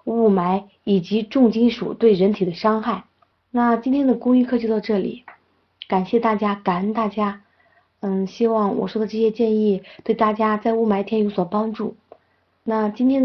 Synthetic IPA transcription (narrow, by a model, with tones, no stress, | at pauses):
u˥˩ma˧˥ɪ | i˨˩t͡ɕi˧˥ʈ͡ʂʊ˥˩ŋt͡ɕi˥nʂṵ˨˩t̪we˥˩ɪɻə˧˥nt̪ʰi˨˩d̪ə˦ʂɑ˥ŋxa˥˩ɪ | na˥˩t͡ɕi˥nt̪ʰjɛ˥nd̪ə˨kʊ˥ŋi˥˧kʰɤ˥˧t͡ɕjo˧ɑ˥˧ʊʈ͡ʂɤ˥˩lḭ˨˩˦ | ka˨˩nɕjɛ˥˧t̪a˥˩t͡ɕja˥ka˨˩˦nt̪a˥˩t͡ɕja˥ | n̩˥˩ɕi˥wɑ˥˩ŋwɔ̰˨˩ʂwɔ˥d̪ə˨ʈ͡ʂɤ˥˩ɕjɛ˥t͡ɕjɛ˥˧ni˥˩t̪we˥˩ɪt̪a˥˩t͡ɕja˥t͡sa˥˧ɪu˥˩ma˧˥ɪt̪ʰjɛ˥njo˧˥ʊswɔ˨˩pɑ˥ŋʈ͡ʂu˥˩ | na˥˩t͡ɕi˥nt̪ʰjɛ˥n